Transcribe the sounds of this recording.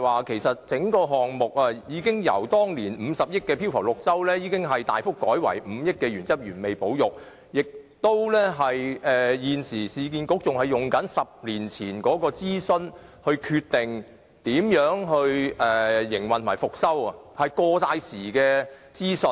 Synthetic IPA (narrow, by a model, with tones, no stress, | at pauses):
waː˨kʰe˨˩jsɐ˨t̚t͡sɪ˨˥ŋkɔː˧ɦɔː˨˩ŋmʊ˨k̚aː˧jiː˨˧˥kɪ˥ŋjɐ̰˨˩wt̪ɔː˥ŋliː˨˩nm̩˨˧sɐ˨p̚jɪ˥k̚kɛː˧pʰi˥wfʰɐ˨˩wlʊ˨k̚t͡sɐ˥wlɛː˥jiː˨˧kɪ˥ŋɦɐ˨jt̪a̰ː˨jfʊ˥kːɔː˨˥jwɐ̰˨˩jm̩˨˧jɪ˥k̚kːɛː˧ɥyː˨˩nt͡sɐ˥p̚jyː˨˩nme˨jpo˨˥wjʊ˨k̚ | jɪ˨k̚t̪o˥wlɛː˥ɦɐ˨jʔɛː˨jiː˨nsiː˨˩siː˨˧k̬iː˧nkʊ˨˥k̚t͡sʊ˨ŋhɐ˨jːʊ˨˩ŋkɐ˨˥nsɐ˨p̚liː˨˩nt͡sʰiː˨˩nkɔː˨˥kɔː˧t͡siː˥sɵ˧n | hɵ˧kʰyː˧t̚t̪ɪ˨˩ŋ | t̪iː˨˥mjœː˨˥ŋɦɵ˧ɥɛː˨jɪ˨˩ŋwɐ˨nt̪ʰmaː˨˩fʊ˨k̚sɐ˥wɐ˨hɐ˨jkɔː˧saː˧jsiː˨˩kɛː˧t͡siː˥sɵ˧